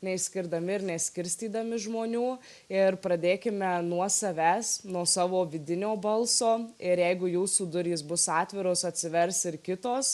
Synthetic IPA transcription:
nʲɛɪʃʲsʲkʲɪɾd̪ɐmʲɪɪɾnʲɛsʲkʲɪɾʲsʲt̪ʲiːd̪ɐmʲɪʒmoːnʲuː | ɪɾpɾɐd̪ʲeːkʲɪmʲɛnuɔsɐʋʲæːsnuɔsɑːʋoːʋʲɪd̪ʲɪnʲoːbɐlˠsoːɪɾjɛɪɡʊjuːsuːd̪ʊɾʲiːsbʊsɑːt̪ʲʋʲɪɾoːsɐt̪ʲsʲɪʋʲɛɾsɪɾkʲɪt̪oːs

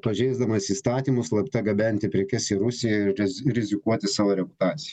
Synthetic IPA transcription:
pɐʒʲɛɪzd̪ɐmɐsiːst̪ɑːt̪ʲiːmʊslˠɐpʲt̪ʲɐɡɐbʲɛnʲt̪ʲɪpʲɾʲɛkʲɛsʲɪɾʊsʲɪjɛɪɾʲɾʲɪzʲɪkuɔt̪ʲɪsɑːʋoːɾʲɛpʊt̪ɑːt̪sʲɪj

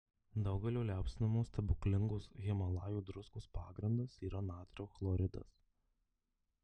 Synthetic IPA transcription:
d̪ɐʊɡʲɛlʲoːlʲæˑʊpʲsʲɪnʲɐmoːst̪ʲɐbʊklʲɪŋɡoːsɣʲɪmɐlˠɑːjuːd̪ɾʊskoːspɑːɡɾʲɪnd̪ɐsiːɾɐnɑːt̪ʲɾʲɛʊxlˠɔɾʲɪd̪ɐ̰s

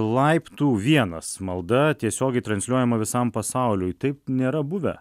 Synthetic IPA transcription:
lˠɐɪpt̪uːʋʲiɛnɐsmɐlˠd̪ɐt̪ʲiɛsʲoːɡʲɛɪt̪ɾɐnsʲlʲuɔjɛmɐʋʲɪsɐmpɐsɑˑʊlʲʊjt̪ɐɪp̚nʲeːɾɐbʊʋʲɛ̰

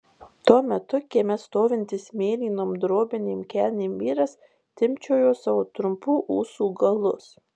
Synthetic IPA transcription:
t̪uɔmʲɛt̪ʊkʲeɛmʲɛst̪oːʋʲɪnʲt̪ʲɪsmʲeːlʲiːnoːmd̪ɾoːbʲɪnʲeːmʲkʲæːlʲnʲeːmʋʲiːɾɐs | t̪ʲɪmʲt͡ʃʲɛːjoːsɑʋoːt̪ɾʊmpuːʔuːsuːɡɐlˠʊs

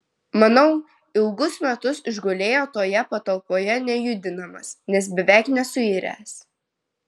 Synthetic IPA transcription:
mɐnɒʊ | ɪlˠɡʊsmʲɛt̪ʊsɪʒɡolʲeːjoːt̪oːjɛpɐt̪ɐlˠpoːjɛnʲɛjud̪ʲɪnɐmɐsnʲɛs̬bʲɛʋʲæˑɪknʲɛsʊiɾʲæ̰ːs

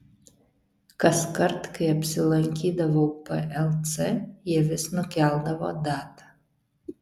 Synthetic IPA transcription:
kɐskɐɾt̪kɐɪɐpʲsʲɪlˠɐŋʲkʲiːd̪ɐʋopɛʔɛlˠsɛjɛʋʲɪsnʊkʲælˠd̪ɐʋo̰ːd̪ɑːt̪ɐ

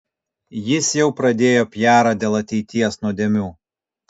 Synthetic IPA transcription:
jɪsjɛʊpɾɐd̪ʲeːjoːpʲjæːɾɑd̪ʲeːlˠɐt̪ʲɛɪt̪ʲiɛsnuɔd̪ʲeːmʲuː

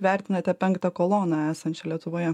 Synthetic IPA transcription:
ʋʲæˑɾʲt̪ʲɪnɐt̪ʲɛpʲɛŋkt̪ɐkoːlˠoːnɑæːsɐnʲt͡ʃʲɛlʲiɛt̪ʊʋoːjɛ

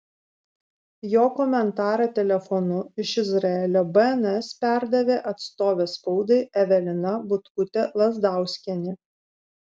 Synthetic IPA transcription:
joːkɔmʲɛnt̪ɑːɾɐt̪ʲɛlʲɛfɔnʊɪʃɪzɾɐɛlʲoːbɐɛnɛspʲæˑɾd̪ɐʋʲeːʔɐt̪st̪oːʋʲeːspɔʊd̪ɐɪɛʋʲɛlʲɪnɐbʊt̪kʊt̪ʲɛlˠɐzd̪ɑˑʊsʲkʲɛnʲɪ

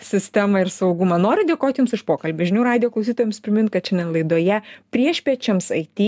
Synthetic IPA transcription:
sʲɪsʲt̪ʲæmɐɪɾsɐʊɡʊmɐnoːɾʲʊd̪ʲeːkoːt̪ʲjʊmsɪʃpoːkɐlʲbʲʊʒʲɪnʲuːɾɑːd̪ʲɪjoːklˠɐʊsʲiːt̪oɔjɛmspʲɾʲɪmʲɪnt̪kɐt̪t͡ʃʲɛndʲɛnlˠɐɪd̪oːjɛpʲɾʲiɛʃʲpʲiɛt͡ʃʲɛmsɐɪt̪ʲiː

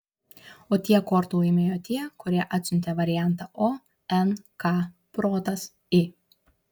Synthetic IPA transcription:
oːt̪ʲiɛkɔɾt̪oɪmʲeːjoːt̪ʲiɛkʊɾʲiɛʔɑt̪ʲsʲɪnʲt̪ʲeʋɐɾʲɪjæˑnt̪ɑʔo | ɛnkɑ | pɾoːt̪ɐs | ɪ

